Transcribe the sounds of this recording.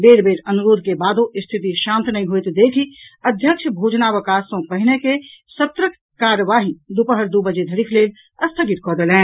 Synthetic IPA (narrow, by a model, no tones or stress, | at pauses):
beːɾbeːɾɐnuɾoːd̪ʱkebaːd̪õɪst̪ʰɪt̪iʃãːnt̪nɐɦĩɦuit̪d̪eːkʰiəd̪ʱjəkʃbʱuːd͡ʒnaʋəkaːsõpəɦɪnekesət̪ɾək | kaːɾəʋaːɦid̪upəɦəɾd̪ubəd͡ʒed̪ʱəɾikʰleːl | ɐst̪ʰəɡɪt̪̚kɔːd̪elɛ̃ː